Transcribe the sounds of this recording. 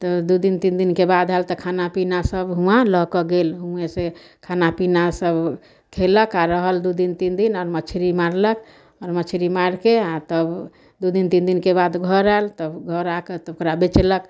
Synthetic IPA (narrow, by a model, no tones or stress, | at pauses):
t̪əd̪ud̪int̪ind̪inkebad̪ɦɛlt̪ɔkʰanapinasəbɦũãləɦkɔɡelɦuese | kʰanapinasəb | kʰeləkaɾəɦəld̪ud̪int̪ind̪inɔɾmət͡ʃʰɾimaɾlək | ɔɾmət͡ʃʰɾimaɾkeat̪əb | d̪ud̪int̪ind̪inkebad̪ɡʱəɾɛlt̪əbɡʱəɾaket̪okɾabet͡ʃlək